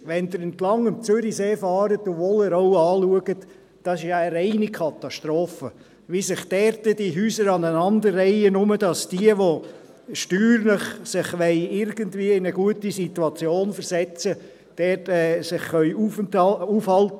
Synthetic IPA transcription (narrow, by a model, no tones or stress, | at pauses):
ʋɛnd̪əɾɪntlɑŋəmt͡sʏɾiseːfɑːɾətɔvoːlɪːɾoʊɑːluəɡət | d̥ɑsɪʃjɑəɾɛɪnikʰɑtɑʃtɾoːfə | ʋisɪχd̥ɛɾtəd̥iɦyːsəɾɑnənɑnd̪ərːɛɪənʊməd̥ɑsd̥iəʋo | ʃtyːɾlɪχsɪχʋɛɪɪɾɡ̥əntviːəɪnəɡuətisituɑt͡sjoːnfəɾzɛt͡sə | d̥ɛtɛːsɪχːœʏufufhɑlt